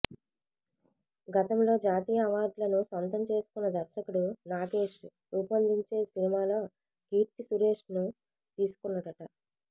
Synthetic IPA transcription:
ɡɐt̪ɐmlo̞ːd͡ʒaːt̪iːjɐːʋaːɾɖlɐnusʋɐnt̪ɐmt͡ʃe̞ːsu̥kunːɐd̪ɐɾʃɐkuɽunaːɡe̞ːʂ | uːpɐnd̪ʱiɲt͡ʃe̞ːsinimaːlo̞ː | kiːɾt̪isuɾe̞ːʂnu | t̪iːsu̥kunːɐʈɐʈɐ

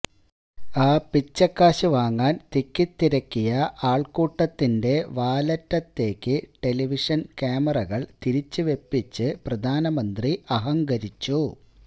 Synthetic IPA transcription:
aːpit͡ɕːɐkːaːɕuʋaːŋːaːnt̪ikːit̪ːiɾɐkːijɐaːɭkuːʈːɐt̪ːinde̞ʋaːlɐtːɐt̪ːe̞ːkːɨʈe̞liʋiʂɐnkaːmɐrɐɣɐɭt̪iɾit͡ɕːɨʋe̞pːit͡ɕːɨprɐd̪ʱaːnɐmɐnd̪riɐɦɐŋɡɐɾit͡ɕːu

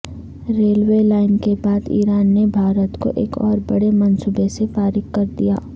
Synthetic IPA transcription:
ɾeːlwelaːɪnkebaːd̪ḭːɾaːnːebʱaːɾət̪ko̰ʔḛːkɔ̰ːɾbɐɽemɐnsuːbesefaːɾɪkːɐɾd̪ija̰ː

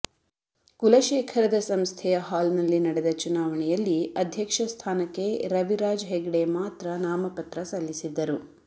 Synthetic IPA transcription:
kulɐʃeːkʰɐɾɐd̪ɐsɐmst̪ʰɛjɐɦaːlnɐlːinɐɽɛd̪ɐt͡ʃunaːʋɐɳɛjɐlːiɐd̪ʱjɐkʂɐst̪ʰaːnɐkːe̞ɾɐʋiɾaːd͡ʒɦeɡɽemaːt̪ɾɐnaːmɐpɐt̪ɾɐsɐlːisid̪ːɐɾu

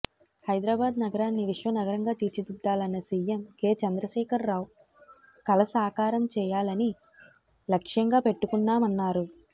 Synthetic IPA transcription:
hɐjd̪ɾaːbaːd̪nɐɡɐɾaːnːiʋiʂʋɐnɐɡɐɾɐŋɡaːt̪iːɾt͡ʃid̪id̪ːaːlɐnːɐsiːjemke̞ːt͡ʃɐnd̪ɾɐʃɛːkʰɐɾːaːwu | kɐlɐsaːkaːɾɐmt͡ʃɛːjaːlɐni | lɐkʂjɐŋɡaːpe̞ʈːukunːaːmɐnːaːɾu

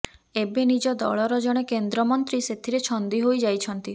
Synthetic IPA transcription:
ebenid͡ʒɔd̪ɔ̰ɭɔɾɔd͡ʒɔɽ̃ekend̪ɾɔmɔnt̪ɾiset̪ʰiɾet͡ʃʰɔnd̪iɦojd͡ʒajt͡ʃʰɔnt̪i

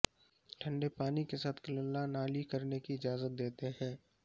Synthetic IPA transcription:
ʈʰɐ̃ɳɖepaːnikesaːt̪ʰkɐləlːanaːlikɐɾnekiɪd͡ʒaːzət̪̚d̪eːt̪eɦɛ̃ː

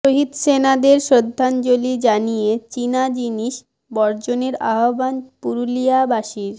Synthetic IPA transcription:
ʃoɦid̪senad̪eɾʃɾod̪ʱːand͡ʑolid͡ʑanijet͡ɕinad͡ʑiniʃ | bɔɾd͡ʑoneɾa̰ɦobanpuɾuliabaʃiɾ

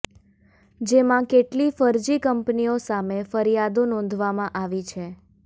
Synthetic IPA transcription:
d͡ʒemãkeʈlifəɾd͡ʒikəmpniosamefəɾijad̪onɔ̃nd̪ʱʋamãʔaʋit͡ʃʰe

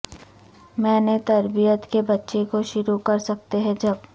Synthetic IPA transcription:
mɛ̃ːnet̪ɐɾbijət̪kebɐtːʃekoʃʊɾukɐɾsɐk̚t̪eɦɛ̃d͡ʒɐb

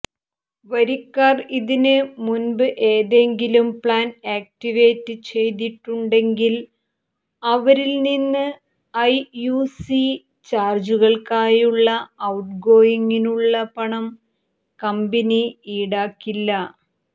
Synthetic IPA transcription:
ʋɐɾikːariðinɨmunbɨʔe̞ːðe̞ŋɡilumpɭaːneːk̚tiʋeːtːɨt͡ɕe̞jt̪̬iʈːuɳɖe̞ŋɡil | ɐʋɐɾilninːɨ | ɐjuːsi | t͡ɕaːrd͡ʑuɣɐɭkaːjuɭːɐːwuʈ̚ɡo̞ːjiŋːinuɭːɐpɐɳɐm | kɐmbɐniiɽaːkːilːɐ

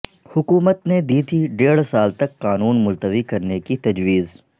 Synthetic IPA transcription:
hʊkuːmət̪ned̪iːt̪ʰiɖeːɽsaːlt̪ɐkːaːnuːnmʊlt̪əʋikɐɾnekit̪ɐd͡ʒwiːz

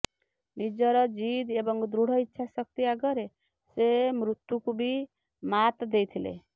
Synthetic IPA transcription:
nid͡ʒɔɾɔd͡ʒid̪ebɔŋd̪ɾuɽ̤ɔitːʃʰasɔk̚t̪iaɡɔɾe | semɾut̪ːukubʱi | mat̪d̪ejt̪ʰilḛ

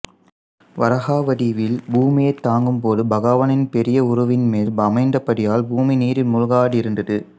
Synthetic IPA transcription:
ʋɐɾɐɣaːʋɐɽɪʋɪlbuːmɪjɐɪt̪ːaːŋɡɯmpoːðɯbɐɣaːʋɐnɪnpɛɾɪjɐʊɾɐʋɪnmeːlɐmɐɪnd̪ɐpɐɽɪjaːlbuːminiːɾɪlmʊɻɣaːɽiɪɾɯnd̪ɐðɯ

